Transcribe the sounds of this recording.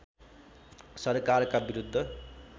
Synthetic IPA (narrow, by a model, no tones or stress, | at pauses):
sʌrkarkabiɾud̪ʱːʌ